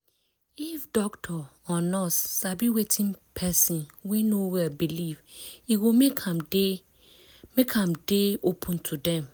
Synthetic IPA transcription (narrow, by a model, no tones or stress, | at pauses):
ifdɔktʰɔ | ɔnɔssabiwetʰĩnpʰɛsĩnwɛ̃nowɛbiliviwomekʰamd | mekʰãmdeopʰũntʰudɛ̃m